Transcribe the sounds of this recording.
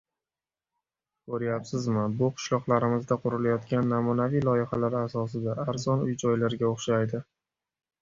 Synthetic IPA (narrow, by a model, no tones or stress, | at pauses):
kʰoɾjapsɪzmɪbʊqʰʊ̥ʃlˠɒqlˠaɾɪmɪzd̪aqʰʊɾɪlajɒt̪kʲanːamʊnavijlˠɒjɪχalaɾasɒsɪd̪aːɾzɒnʊjd͡ʒɒjlaɾɡʲaoχʃajd̪ɪ